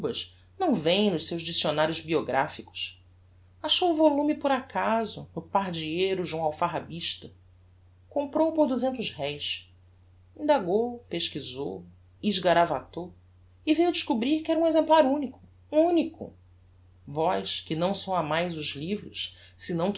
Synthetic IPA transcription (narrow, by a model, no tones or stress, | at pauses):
bɐʃ | nɐ̃w̃vẽj̃nʊʃsewʒd͡ʒisionaɾjʊzbioɡɾa̰fikʊ̥ʃ | aʃowuvolũmipʊɾakazʊnʊpaɾd͡ʒiejɾʊʒɐ̃w̃awfaɦabiʃt̪ɐ | kõmpɾowpoɾd̪uzẽnt̪ʊzɦɛjʃs | ĩnd̪aɡowpeʃkizo̰w | iʒɡaɾavat̪o | ɪvejud͡ʒiʃkubɾiɾkɪɛɾɐũezẽmplaɾũnikʊ̥ | ũnikʰʊ̰ | vɔjʃkɪnɐ̃w̃sɐ̃w̃amajzʊʒlivɾʊʃsɪnɐ̃w̃k